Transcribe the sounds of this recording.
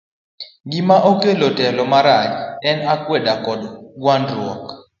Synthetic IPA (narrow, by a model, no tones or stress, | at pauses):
ɡimaʔokelɔtɛlɔmaɾajɛnakweɗakɔdɡwandɾwɔk